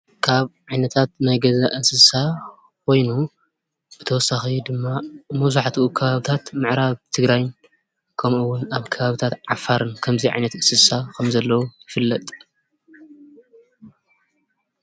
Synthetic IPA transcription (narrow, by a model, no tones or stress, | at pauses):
kʰaβʕajnɐt̪ʰat̪̚najɡɐzaʔɨsɨsa | kʰo̞jnu | b̥ɨt̪ʰɐwɔsːaxid̪ɨmːamɐzuħt̪ʰʔukʰɐβaβɨt̪ʰat̪mɨʕɾaβt̪ʰɨɡɾajn | kʰɐmʔuwːʊnaβkʰɐβaβɨt̪ʰat̪ʕa̰faɾɨnkʰɐmziʕa̰jnɐt̪ɨsɨsakʰɐmzɐlːɐwujɪfɨlːɐt̪ʼ